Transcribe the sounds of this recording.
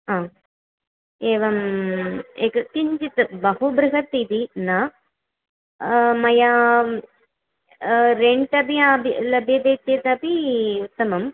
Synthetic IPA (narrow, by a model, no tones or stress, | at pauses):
aː | eːʋɐm | eːkɐkiɲd͡ʒit̪ɨbɐɦubɾɨɦɐt̪ːiːt̪inɐ | mɐja | ɾeɳʈɐbiaːbʱlɐbjɐd̪eːt̪jet̪ɐpiut̪ːɐmɐm